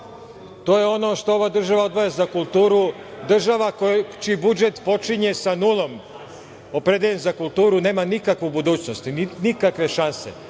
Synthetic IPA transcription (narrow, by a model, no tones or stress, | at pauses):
t̪o̞ːjeo̞no̞ʃt̪o̞oʋad̪r̩ʒaʋao̞d̪ʋo̞jazakulˠt̪uːɾu | d̪r̩ʒaʋakot͡ʃiibud͡ʒet̪po̞t͡ʃiɲe̞sanulˠo̞m | o̞pɾed̪eʎenzakulˠt̪uːɾune̞ːmanikakʋubud̪uːt͡ɕno̞st̪inikakʋe̞ʃansḛ